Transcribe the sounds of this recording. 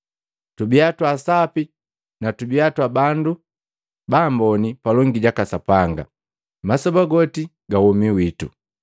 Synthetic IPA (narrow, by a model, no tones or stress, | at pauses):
tubiatwasapi | natubiatwabandu | bambɔnipalɔŋɡiɟakasapaŋɡa̰ | masɔbaɡɔti | ɡahɔmiwitṵ